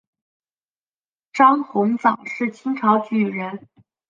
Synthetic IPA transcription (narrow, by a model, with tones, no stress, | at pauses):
ʈ͡ʂɑ˥ŋxʊ˧˥ŋt͡sɑ˨˩ŋʂɻ̩˥˩t͡ɕʰi˥ŋʈ͡ʂʰɑ˧˥ʊt͡ɕy˨˩ɻə˧˥n